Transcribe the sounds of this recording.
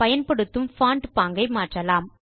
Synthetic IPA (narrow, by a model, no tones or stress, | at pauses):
pɐjɐnpɐɽɯt̪ːɯmfaːɳʈpaːŋɡɐɪmaːʈrɐlaːm